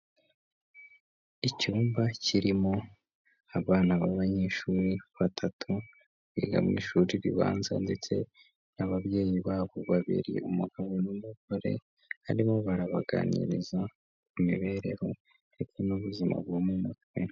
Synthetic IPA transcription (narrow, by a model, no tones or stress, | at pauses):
icuːmbacʰiɾimo̞ | aβaːnaβaβaɲe̞ːʃuːɾiβatʰatʰu | βiɡa̰mŋḭːʃuːɾiɾḭβa̰ːnza̰nde̞t͡se̞ | naβaβje̞ːjiβaːβo̞βaβḭɾḭumuɡaβonumuɡoɾe̞̰ | ha̰ɾimo̞βaɾaβaɡa̰nḭɾiza | kumḭβe̞ɾe̞ho̞ | detenuβuzima̰βɡomumutwwe